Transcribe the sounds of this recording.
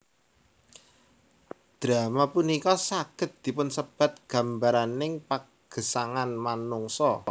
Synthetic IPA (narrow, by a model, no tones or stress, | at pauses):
d̪̥ɾa̤mapunikɔsaɡ̥ə̤t̪̚d̪̥i̤pʊnsəb̥a̤t̪̚ɡ̥a̤mbaɾanɪŋpa | ɡ̥ə̤saŋanmanʊŋsɔ